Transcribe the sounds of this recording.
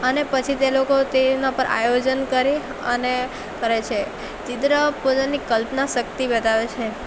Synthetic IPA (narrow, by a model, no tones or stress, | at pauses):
ənepət͡ʃʰit̪elokot̪enapəɾʔa̰jod͡ʒənkəɾi | əne | kəɾet͡ʃʰe | d͡ʒid̪ɾəpod͡ʒənikəlpnaʃək̚t̪ibət̪aʋet͡ʃʰe